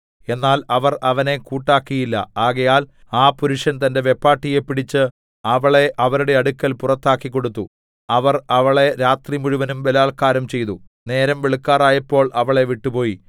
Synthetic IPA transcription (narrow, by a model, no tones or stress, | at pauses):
e̞nːaːlɐʋɐrɐʋɐne̞kuːʈːaːkːijilːɐ̰aːɣɐjaːl | aːpuɾuʂɐnt̪ɐnde̞ʋe̞pːaːʈːije̞pːiɽit͡ɕːɨ | ɐʋɐɭe̞ʔɐʋɐɾuɽe̞ɐɽukːɐlpurɐt̪ːaːkːikːo̞ɽut̪ːu | ɐʋɐrɐʋɐɭe̞ɾaːt̪rimuɻuʋɐnumʋelaːɭkaːɾɐmt͡ɕe̞jt̪u | ne̞ːɾɐmʋeɭikːaːraːjɐpːo̞ːɭʔɐʋɐɭe̞ʋiʈːupo̞ːji